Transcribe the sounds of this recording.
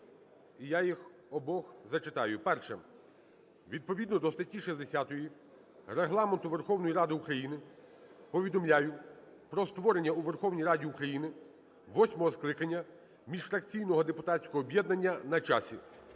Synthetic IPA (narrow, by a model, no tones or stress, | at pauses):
ijajixɔbɔxzɐt͡ʃɪt̪ɑjʊpɛrʃɛ | ʋʲid̪̚pɔʋʲid̪nɔd̪ɔst̪ɐtʲːiʃizd̪esʲat̪ɔji | reɦlˠɑment̪ʊʋerxɔwnɔjiɾɑd̪ɪukɾɐjinɪpɔʋʲid̪ɔmlʲajʊ | pɾɔst̪ʋɔɾenʲːɐuʋerxɔwnʲijrɑdʲiukɾɐjinɪ | ʋɔsʲmɔɦɔsklˠɪkɐnʲːɐ | mʲiʒfɾɐkt͡sʲijnɔɦɔd̪epʊt̪atʲsʲkɔɦɔːbʲjɛd̪nɐnʲːɐnɐt͡ʃasʲḭ